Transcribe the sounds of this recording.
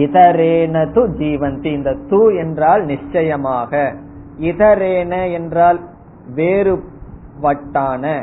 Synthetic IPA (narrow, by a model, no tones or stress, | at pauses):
ɪðɐɾeːnɐt̪ud͡ʒiːʋɐnt̪iɪnd̪ɐt̪uːɛndraːlnɪʂt͡ʃːɐjɐmaːɣɐ | ɪðɐɾeːnɐɛndraːl | ʋeːɾɯʋɐʈːaːnɐ